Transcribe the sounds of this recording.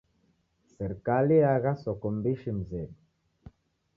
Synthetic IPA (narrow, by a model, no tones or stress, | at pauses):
sɛɾkaliaɣasɔkɔmbiʃim̩zɛb